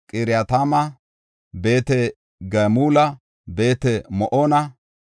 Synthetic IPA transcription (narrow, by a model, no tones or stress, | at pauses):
kʼɪɾɪjat̪amɐ | be̞ːt̪ɛ | ɡɐmuːlɐ | be̞ːt̪ɛmɔʔoːnɐ